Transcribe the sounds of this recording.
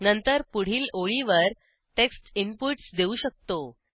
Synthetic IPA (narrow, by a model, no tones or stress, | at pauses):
nənt̪əɾpuɽ̤iːloɭiʋəɾ | ʈeksʈimpuʈsd̪euːɕək̚t̪o